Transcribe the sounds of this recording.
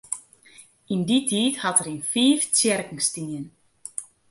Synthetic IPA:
inditʰiːthatəɾinfiːft͡sjɛrkŋ̩stinjən

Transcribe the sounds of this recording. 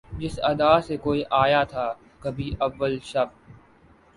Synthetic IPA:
d͡ʒɪsɐd̪aːsekoːiʔaːjat̪ʰaː | kɐbʱiʔɐʋːəlʃɐb

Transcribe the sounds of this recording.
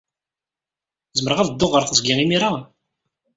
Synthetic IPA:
zməɾəʁæðəd̪ːoʁəɾˤθəzɡiʁimiɾa

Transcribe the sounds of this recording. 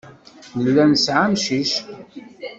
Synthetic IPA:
nəlːænsʕamʃiʃ

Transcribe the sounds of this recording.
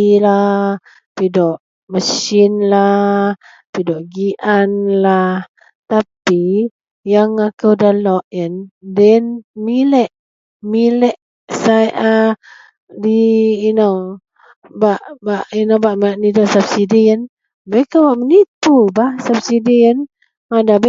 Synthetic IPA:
la | pidɔʔ | məsinla | pidɔʔɡiʔanlah | t̪api | jaŋakəwdalɔʔjəndɛnmilɛʔ | milɛʔ | sajʔa | diːno | baʔbaʔinobaʔmaʔnidɔʔsabsidiən | bəkawaʔmənit̪ubahsabsidiən | adab

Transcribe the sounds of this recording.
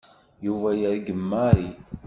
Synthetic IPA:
juvæjəɾɡəmːaɾi

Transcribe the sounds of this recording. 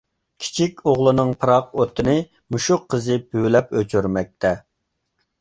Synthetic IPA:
kʲʰi̥t͡ʃʰikʲoʁlˠɨnɨŋpʰɨɾɑqot̪ʰːɨnɨ | muʃʊqʰːəzɨpʰylɛpøt͡ʃʰyɾmɛk̚ʲt̪ʰɛ

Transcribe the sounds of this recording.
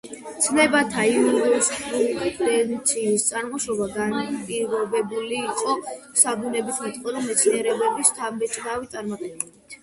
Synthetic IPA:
t̪sʰlɛbat̪ʰaiuɾɔst̪ʼɾulid̪akʼlɛnt̪sʰiːst̪sʼanʁɔʃɔbaɡanpʼiɾɔbɛbuliːqʼɔ | saɡunɛbit̪ʰmɛt̪ʼqʼɔd̪ɔmɛt̪sʰniɛɾɛbɛbist̪ʰambɛt͡ʃʰd̪avit̪sʼaɾmat̪ʼɛbɛbit̪ʰ

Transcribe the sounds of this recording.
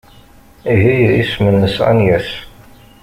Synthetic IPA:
iɦijismənːəsa̰njæs

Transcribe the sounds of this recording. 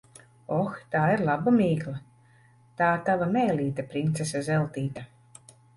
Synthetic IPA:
ɔxt̪aːiɾlˠabamiːklˠa | t̪aːt̪avamɛːlʲiːt̪apɾint̪sesɛzɛlˠt̪iːt̪a

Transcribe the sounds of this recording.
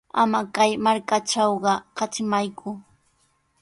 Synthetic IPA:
amakajmaɾkaʈ͡ʂɑwɢɑkɑt͡ʃɪmajkʰʊ

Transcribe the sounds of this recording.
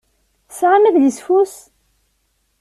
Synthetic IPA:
sʁamæðləsfus

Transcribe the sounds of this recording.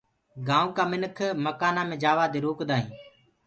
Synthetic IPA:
ɡaːũːkaːmɪnəkʰməkaːnãːmẽːd͡ʒaːʋaːd̪eːɾoːkd̪aːɦĩː

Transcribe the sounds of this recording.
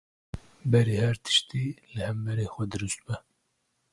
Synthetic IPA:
bɛɾeːhɛɾt̪ʰɨ̥ʃt̪iːlɨhɛmbɛɾeːxʷɛd̪ɨɾɨst̪bɛ

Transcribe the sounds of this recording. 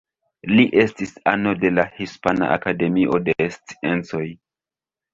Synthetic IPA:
liʔe̞stisano̞de̞lahispana̰ʔa̰kade̞miʔo̞de̞st͡si̥e̞nt͡so̞j

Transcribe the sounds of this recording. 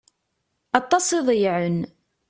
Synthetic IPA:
ɑt̪ˤːɑsˤɪðˤjʕən

